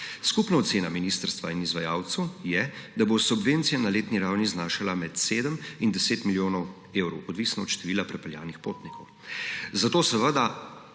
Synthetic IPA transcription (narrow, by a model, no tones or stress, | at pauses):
skupnaɔt̪seːnaminiːst̪əɾst̪ʋainizʋajaːwt̪səwjɛd̪abosubʋent̪sijanaleːt̪niɾawniznaːʃalamɛt̪seːd̪əmind̪ɛseːt̪miljoːnɔw | ewɾɔ̰wɔd̪ʋisnɔɔt̪ʃt̪ɛʋiːlapɾɛpɛlja̰ːnixpoːt̪nikʰɔw | zat̪oːsəʋəd̪a